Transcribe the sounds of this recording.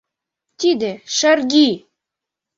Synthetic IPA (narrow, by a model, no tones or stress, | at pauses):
t̪id̪ɘ̆ʃærɡi